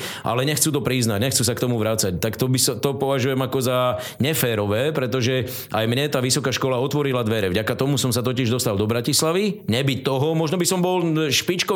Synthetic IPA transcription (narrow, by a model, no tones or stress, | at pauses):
ʔa̰lɛɲɛxt͡suːt̪ɔpɾiznaɟɲɛxt͡sus̬akt̪ɔmuʋɾat͡sact̪akt̪ɔbist̪ɔpɔʋaʒujɛmakɔza | ɲɛfɛːɾɔʋɛːpɾɛt̪ɔʒɛ | ʔajmɲɛt̪aːʋisɔkaːʃkɔlaɔt̪ʋɔɾilad̪ʋɛɾɛvɟakat̪ɔmusɔmsat̪ɔcɪiʒd̪ɔst̪ald̪ɔbɾacislaʋiɲɛbict̪ːɔɦɔmɔʒnɔbisɔmbɔlʃpit͡ʃkɔ